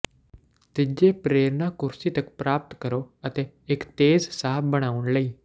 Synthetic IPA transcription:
t̪ɪd͡ʒeːpɾeːɾnãːkʊɾsiːt̪əkpɾaːp̚t̪kəɾoːət̪eː | ɪkt̪eːzsaːɦəbːəɽ̃aːʊnləiː

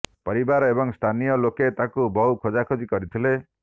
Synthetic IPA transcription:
pɔɾibaɾɔebɔŋst̪ʰanijɔloket̪akubɔɦukʰod͡ʒakʰod͡ʒikɔɾit̪ʰile

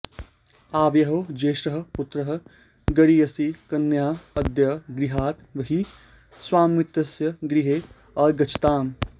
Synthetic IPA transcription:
aːʋjɐɦod͡ʒeːʃɾɐɦɐ̆puʊt̪ɾɐɦɐ̆ | ɡɐɽiɐsikɐnːjaːɐd̪jɐɡɾiɦaːt̪ʋɐɦi | swaːmːit̪ɐsjɐɡɾiɦeː | ɐːɾɡɐt͡ʃʰt̪aːm

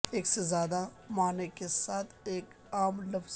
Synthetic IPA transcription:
eːksezjaːd̪a | maːnekesaːt̪ʰeːk | aːmlɐfz̥

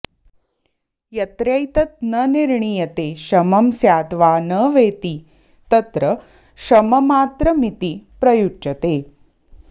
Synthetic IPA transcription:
jɐt̪ɾjɐjt̪ɐt̪̚nəniɾɳijɐt̪eɕɐmɐmsjaːt̪ʋaːnəʋeːt̪iː | t̪ɐt̪ɾə | ɕɐmɐmaːt̪ɾəmit̪ipɾɐjut͡ʃɐt̪eː

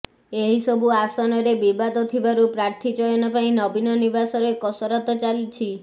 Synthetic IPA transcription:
eɦisɔbuasɔnɔɾebibad̪ɔt̪ʰibaɾupɾaɾt̪ʰid͡ʒɔjɔnɔpaĩnɔbinɔnibasɔɾekɔsɔɾɔt̪ɔt͡ʃalit͡ʃʰi

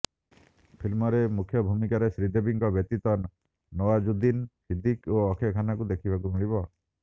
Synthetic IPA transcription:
pʰilmɔɾemukʰjɔbʱumikaɾesɾid̪ʱebiŋkɔbjɔt̪it̪ɔnː | ɔwad͡ʒud̪insid̪ʱikoɔkʰjɔkʰanakud̪ekʰibʱakuɦuɽ̃iβɔ

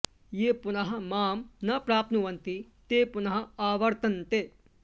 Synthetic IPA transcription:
jeːpʊnɐɦɐmaːmnɐpɾaːp̚t̪nuʋɐnt̪i | t̪eːpʊnɐɦɐaːʋɐɾt̪ɐnt̪eː

